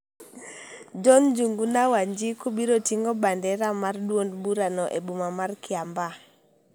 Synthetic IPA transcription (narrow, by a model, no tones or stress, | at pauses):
d͡ʒɔnd͡ʒuŋɡunawaɲd͡ʒikubiɾotiŋɡɔbandɛɾamardwondbuɾanɔʔebumamarkɪamba